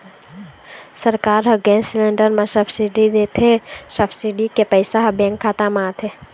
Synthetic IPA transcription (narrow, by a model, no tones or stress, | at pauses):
səɾkaːɾɦəɡẽːnslẽːɳɖəɾmẽsəpʰsiɖid̪et̪ʰesəpsiɖikepəɪsaɦbɛ̃ːŋkʰːaːt̪amãːt̪ʰe